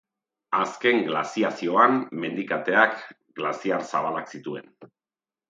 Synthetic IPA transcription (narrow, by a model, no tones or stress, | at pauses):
aske̞ŋɡla̰siasio̞amme̞nd̪ikat̪e̞ak | ɡlasiaɾsaβalaksit̪ue̞̰n